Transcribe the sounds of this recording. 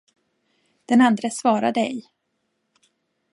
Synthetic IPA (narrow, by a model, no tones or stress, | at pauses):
d̪̥ɛnand̪ɾəsvɑːɾa̰d̪ɛj